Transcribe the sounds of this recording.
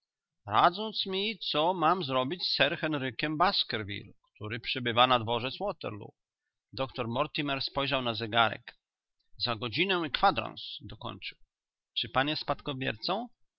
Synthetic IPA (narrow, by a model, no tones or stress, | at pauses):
ɾad̪zɔnt̪smʲit̪sɔmamzɾɔbʲit͡ɕsːɛɾxɛnɾɘkʲɛmbaskɛɾvʲḭlkt̪uɾɘpʂɛbɘvanad̪vɔʐɛt̪swɔt̪ɛ̰ɾlṵ | d̪ɔkt̪ɔɾmɔɾt̪imɛɾspɔjʐawnazɛɡaɾɛ̰k | zaɡɔd͡ʑinɛwikfad̪ɾɔ̰nsd̪ɔkɔ̰ɲt͡ʂɘw | t͡ʂɘpanjɛst̪̚pat̪kɔbʲjɛ̰ɾt̪sɔ̃w̃